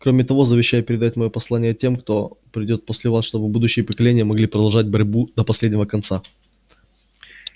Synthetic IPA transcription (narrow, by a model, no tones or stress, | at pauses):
kɾomʲɪt̪ɐvo̞zəvʲɪɕːajʊpʲɪɾʲɪd̪atʲmɐjopɐslˠanʲɪjətʲe̞mkt̪o̞pɾʲɪdʲo̞t̪̚posʲlʲɪvasʂt̪o̞bɨbud̪ʊɕːɪjəpəkɐlʲenʲɪjəmɐɡlʲipɾəd̪ɐlˠʐad̚ʲbɐɾʲbud̪əpɐsʲlʲedʲnʲɪvəkɐnt̪sa